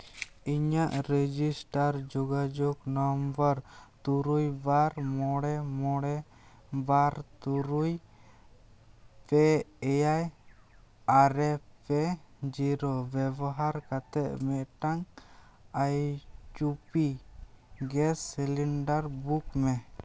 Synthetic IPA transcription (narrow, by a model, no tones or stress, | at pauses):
iɲaʔɾed͡ʒisʈaɾd͡ʒɔɡad͡ʒɔknɔmbəɾt̪uɾujbaɾmɔɽɛmɔɽɛ | baɾt̪uɾuj | pɛɛjaj | aɾɛpɛd͡ʒiɾɔbɛbɔɦaɾkat̪ɛʔ̚mɛʔʈaŋ | ajt͡ʃupi | ɡɛsːiliɳɖaɾbukmɛ